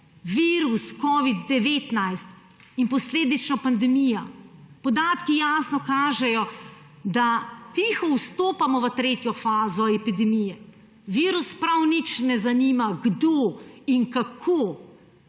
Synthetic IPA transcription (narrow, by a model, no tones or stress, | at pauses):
ʋiːɾuskɔːʋid̪ːɛʋeːt̪najst̪ | inpɔsleːd̪it͡ʃnɔpand̪ɛmijapɔd̪aːt̪kijaːsnɔkaːʒɛjɔ | d̪at̪iːxɔwst̪oːpamɔʋət̪ɾeːt̪jɔfaːzɔɛpid̪ɛmijɛ | ʋiːɾuspɾawnit͡ʃnɛzaniːmaɡd̪oːiŋkakʰoː